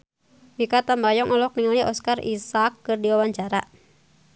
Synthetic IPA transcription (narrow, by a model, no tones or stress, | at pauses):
bikat̪ambajɔŋʔɔlɔk̚niŋaliʔɔskarḭsakːɨrdiwawaɲt͡ʃaɾa